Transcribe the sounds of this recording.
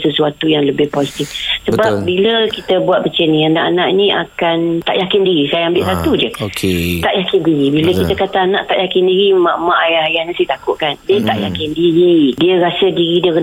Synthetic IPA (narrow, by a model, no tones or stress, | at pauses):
səsuat̪ujaŋləbɪhposit̪ifsəbap̚biləkit̪əbuat̪̚bət͡ʃənĩandaʔanaʔnĩʔa̰kant̪a̰ʔjakɪndiɾisajaambɪʔsat̪ud͡ʒəoket̪aʔjakɪndiɾibiləkit̪əkat̪aːnãʔt̪aʔjakɪndiɾimãʔmãʔajaajanĩsit̪akʊʔkandət̪aʔjakɪndiɾidiəɾasədiɾidiəkə